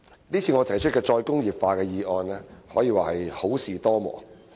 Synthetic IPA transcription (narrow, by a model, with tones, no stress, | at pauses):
niː˥t͡sʰiː˧ŋɔː˨˧t̪ʰɐ˨˩jt͡ʃʰɵ˥kɛː˧t͡ʃɔː˧jkʊ˥ŋjiː˨˩p̚faː˧kɛː˧jiː˨˧ɔː˧nlɛː˥hɔ̰ː˨˥jiː˨˧waː˨hɐ˨jho˨˥wsiː˨t̪ɔː˥mɔ̰ː˨˩˦